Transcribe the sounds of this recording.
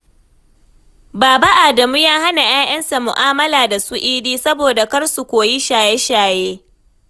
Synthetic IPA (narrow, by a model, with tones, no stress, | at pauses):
baː˨ba˦ʔaː˨dɐ˨mu˦jaː˦ɦa˦na˨j̰ʔaː˦j̰ɐ˦nsa˨mʊ˨ʔaː˦mɐ˦laː˨da˨sʊ˦ʔiː˦diː˦sɐ˦boː˨da˨kɐ˦rsu˨kʷoː˨ji˦ʃaː˨jɛ˦ʃaː˨jeː˦